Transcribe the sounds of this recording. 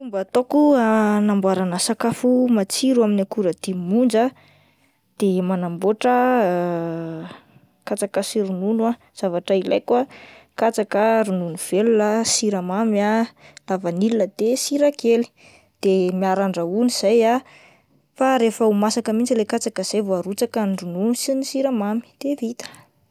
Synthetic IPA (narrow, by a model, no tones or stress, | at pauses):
fumbət̪okuanambwaɾanəsakafumat͡siɾuaminakuɾəd̪̥imund͡za | d̪̥emanamboʈ͡ʂə | kat͡sakasiɾununa | z̥avaʈ͡ʂəila̰jkuakat͡sakəɾununuv̥elunəsiɾamamalavanilunəd̪̥esiɾakeli̥ | d̪̥emiaɾaɳɖ͡ʐauniz̥aja | faɾefəumasakəmint͡silekat͡sakəz̥ajvoaɾut͡sakanrununusinisiɾamami̥d̪̥evit̪ə̥